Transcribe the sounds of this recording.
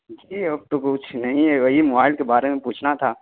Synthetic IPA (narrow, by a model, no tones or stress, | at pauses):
d͡ʒiːɐb̚t̪okʊt͡ʃʰnɐɦĩɦɛʋɐɦimobaːɪlkebaːɾemẽpuːt͡ʃʰnat̪ʰaː